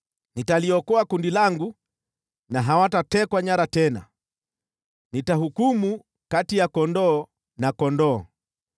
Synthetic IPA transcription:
nitaliɔkɔakundilaŋɡu | naɦawatatɛkwaɲaɾatɛna̰ | nitahukumu | katijakɔndɔː | nakɔndɔː

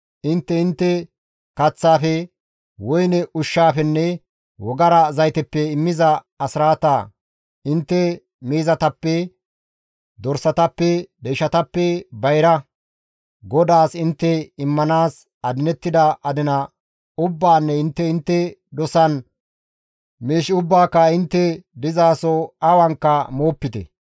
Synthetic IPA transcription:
ʔɪnt̪ːɛɪnt̪ːɛ | kɐt͡sːaːfɛ | wɔjnɛʔʊʃːaːfɛnːɛ | wɔɡɐɾɐzɐjt̪ɛpːɛɪmːɪzɐ | ɐsɾaːt̪a | ɪnt̪ːɛ | miːzɐt̪ɐpːɛ | d̪ɔɾsɐt̪ɐpːɛd̪eːʃɐt̪ɐpːɛbɐjɾɐ | ɡɔd̪aːsɪnt̪ːɛɪmːɐnaːs | ɐd̪ɪnɛt̪ːɪd̪ɐʔɐd̪ɪnɐ | ʊbːaːnːɛɪnt̪ːɛɪnt̪ːɛd̪ɔsɐn | miːʃʊbːaːkːɐɪnt̪ːɛd̪ɪzaːsɔɐwɐŋkːɐmoːpːɪt̪ɛ̰

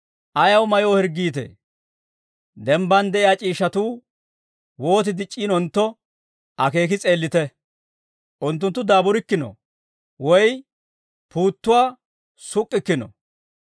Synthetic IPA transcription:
ʔɐjɐwmɐjoːhɛɾɡːiːt̪̬ḛː | d̪ɛmbɐnd̪ɛʔɪjaːt͡ʃʼiːʃːɐt̪uː | wo̞ːt̪ɪd̪ɪt͡ʃʼːiːnɔnt̪ːɔ | ʔɐke̞ːk̬ɪt͡sʼe̞ːlːɪt̪ɛ | ʔʊnt̪ːʊnt̪ːʊd̪aːbʊɾɪkːɪnɔ̰ | wɔj | puːt̪ːʊwaː | sʊkʼːɪkːɪnɔ̰

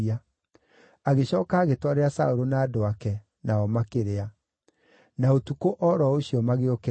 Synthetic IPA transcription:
a | aɣeɕɔːkaːɣetwaɾeasaoɾonaːdoakɛ | naɔmakeɾea | naotukoʔɔɾɔoɕiɔmaɣeoke

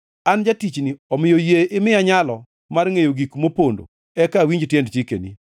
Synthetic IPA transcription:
and͡ʒatit͡ʃniɔmɪjojeʔɪmɪaɲalɔ | marŋejoɡikmopondo̰ | ɛkawiɲd͡ʒtjɛndt͡ʃikḛnḭ

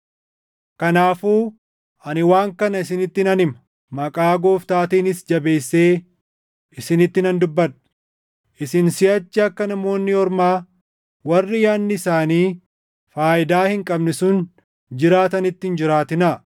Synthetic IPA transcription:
kɐnaːfuː | ɐnɪwaːŋkɐnɐɪs̬ɪnɪt̪ːɪnɐnɪmɐ | mɐkʼaːɡo̞ːft̪aːt̪iːnɪsd͡ʒɐbe̞ːsːe̞ː | ɪsɪnɪt̪ːɪnɐnd̪ʊbːɐᶑɐ̥ | ʔɪsɪnsɪɐt͡ʃːɪɐkːɐnɐmo̞ːnːɪɔɾmaː | wɐrːɪjaːnːɪɪsaːniː | faːʔɪd̪aːhɪŋkʼɐbnɛsʊn | d͡ʒɪɾaːt̪ɐnɪt̪ːɪnd͡ʒɪɾaːt̪ɪnɐ

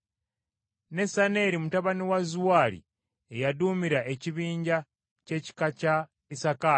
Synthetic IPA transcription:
ne̞sane̞ɾimutaβaniwazuwaːlḭ | e̞jaduːmiɾaʔe̞ciβiːɲɟa | ce̞ci̥kaca | isaka

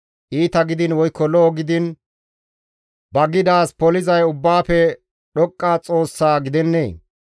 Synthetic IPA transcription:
ʔiːt̪ɐɡɪd̪ɪnwɔjkːɔlɔːɡɪd̪ɪn | bɐɡɪd̪aːspɔlɪzɐjʊbːaːpɛ | ɗɔkʼːaːt͡sʼo̞ːsːaːɡɪd̪ɛnːḛː

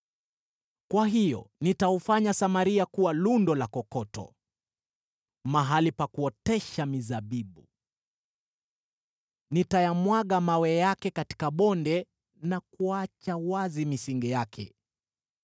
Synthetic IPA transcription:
kwaɦijɔ̰nitaufaɲasamaɾiakuwalundɔlakɔkɔtɔ̰ | maɦalipakuɔtɛʃamizaɓiɓu | nitajamwaɠamawɛjakɛkati̥kaɓɔndɛ | nakuat͡ʃawazimisiŋɡɛjakʰɛ̰

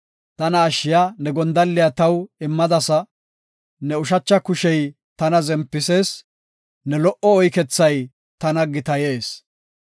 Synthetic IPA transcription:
t̪ɐnɐːʃɪjanɛɡɔnd̪ɐlːɪjat̪ɐwɪmːɐd̪ɐsɐ | nɛʊʃ̬ɐt͡ʃːɐkʊʃɛj | t̪ɐnɐzɛmpːɪse̞ːs | nɛlɔʔɔɔjkɛt͡sːɐj | t̪ɐnɐɡɪt̪ɐje̞ːs

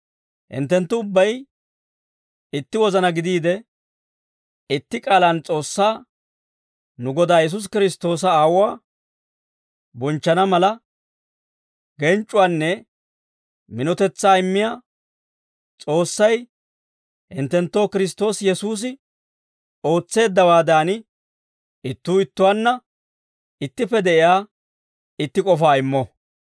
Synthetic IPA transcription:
hɪ̰nt̪ːɛnt̪ːʊʊbːɐj | ɪt̪ːɪwɔzɐnɐɡɪd̪iːd̪ɛ | ɪt̪ːɪkʼaːlant͡sʼo̞ːsːaː | nʊɡɔd̪aːjɛs̬ʊs̬kɪɾɪst̪o̞ːs̬ɐaːwʊwaː | bɔnt͡ʃːɐnɐmɐlɐ | ɡɛnt͡ʃʼːʊwaːnːɛ | mɪnɔt̪ɛt͡sːaːɪmːɪjaː | t͡sʼo̞ːsːɐj | hɪ̰nt̪ːɛnt̪ːo̞ːkɪɾɪs̬t̪ːo̞ːsjɛsuːs̬ɪ | o̞ːt͡sːe̞ːd̪ːɐwaːd̪aːnɪ | ɪt̪ːuːɪt̪ːʊwaːnːɐ | ɪt̪ːɪpːɛd̪ɛʔɪjaː | ɪt̪ːɪkʼɔfaːɪmːɔ

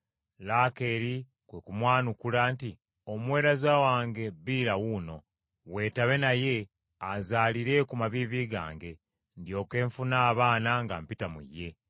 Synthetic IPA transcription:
laːke̞ːɾi | kwekumwaːnukulanti | omwe̞ːɾazawaːŋɡe̞biːɾawuno̞ | we̞ːtaβe̞naje̞ | azaːliɾe̞kumaβiːβiːɡa̰ːŋɡe̞ | ndjo̞ːke̞ːɱfunaːβaːnaŋɡa̰mpitamṵjːe̞

